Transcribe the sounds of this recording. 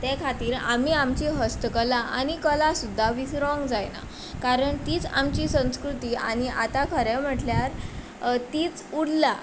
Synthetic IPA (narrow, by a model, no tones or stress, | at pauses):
t̪ɛkʰat̪iːɾa̰m̤iamt͡ɕiɦəst̪əkəlaʔanikəlasud̪ʱːaʋisɾɔ̃ŋɡd͡zajna̰ | kaɾəɳt̪iːt͡samt͡ɕiːsə̃w̃skɾut̪iːañiat̪akʰəɾɛm̤əʈljaɾ | t̪iːt͡suɽla